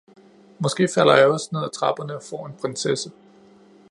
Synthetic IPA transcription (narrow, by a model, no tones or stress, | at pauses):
mɒ̽sɡ̥e̝̰ːfæl̰ɐjɑ̈ɒ̽sne̝ð̞̰ˠæt͡sʰʁɑ̈b̥ɐnəɒ̽fɒ̰ːe̝npʰʁensesə